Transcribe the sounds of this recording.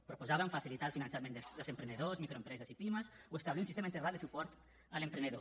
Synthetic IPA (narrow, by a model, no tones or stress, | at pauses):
pɾupuzaβəɱfasilit̪alˠfinãnsjamend̪ed̪əlzempɾeneðozmikɾoempɾɛzəsipiməsuest̪aβliunsist̪emaent̪erald̪əsupɔɾt̪ | əlempɾeneðo